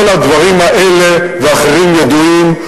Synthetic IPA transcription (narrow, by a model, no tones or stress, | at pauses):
lad̪vaɾimaʔɛlevɪaχaɾimjɛd̪uim